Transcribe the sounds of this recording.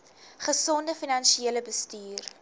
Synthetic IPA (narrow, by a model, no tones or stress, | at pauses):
χəsɔndəfinɐnʃieələbəstyːr